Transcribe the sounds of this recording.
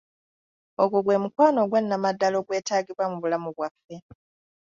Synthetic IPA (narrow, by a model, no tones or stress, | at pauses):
oɡuɡwe̞ːmukwaːno̞ɡwenːamadːalo̞ːɡwe̞ːtaːɡiβwamuβulamuβwafːe̞